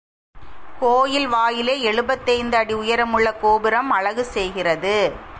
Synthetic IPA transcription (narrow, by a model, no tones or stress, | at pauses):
koːjɪlʋaːjɪleːɛɻɯbɐt̪ːɐɪnd̪ɯɐɽiʊjɐɾɐmɯɭːɐkoːbɪɾɐmɐɻɐɣɯsɛjɣɪrɐðɯ